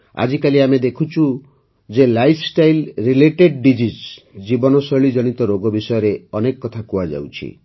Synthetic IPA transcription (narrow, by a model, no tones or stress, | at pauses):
a̰d͡ʒikaliamed̪ekʰut͡ʃʰu | d͡ʒelajpʰsʈajlɾileʈeɖɖid͡ʒis | d͡ʒibɔnɔsɔɭid͡ʒɔɽ̃it̪ɔɾoɡɔbisɔjɔɾeɔnekɔkːɔt̪ʰakuad͡ʒa̰wt͡ʃʰḭ